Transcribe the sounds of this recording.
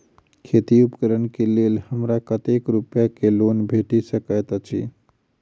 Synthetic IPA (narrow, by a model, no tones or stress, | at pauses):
kʰet̪iupkəɾənkelelhəmɾakət̪ekɾupjakelonbʱeʈisəkət̪t͡ʃʰḭ